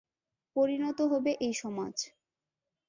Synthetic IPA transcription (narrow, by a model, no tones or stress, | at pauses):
poɾinɔt̪oɦobeʔejʃɔmad͡ʑ